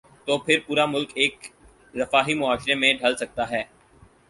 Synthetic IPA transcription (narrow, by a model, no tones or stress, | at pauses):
t̪oːpʰɪɾpuːɾamʊlkeːk | ɾɐfaːɦimʊaːʃɾemẽɖʱɐlsɐk̚t̪aɦɛː